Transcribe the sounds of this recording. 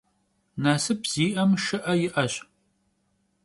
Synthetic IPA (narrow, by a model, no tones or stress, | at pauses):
naːsɨp̚z̥iːʔɐmʃɨʔɐjɪʔɐɕ